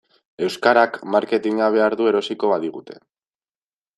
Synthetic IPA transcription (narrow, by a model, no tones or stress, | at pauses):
e̞wskaɾakmaɾke̞t̪iɲaβ̞e̞aɾðue̞ɾo̞siko̞βaðiɣ̞ut̪e̞̥̰